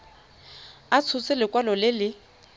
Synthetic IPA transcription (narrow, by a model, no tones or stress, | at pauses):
at͡sʰʊt͡sɪlɪkʼwalɔlɪlɪ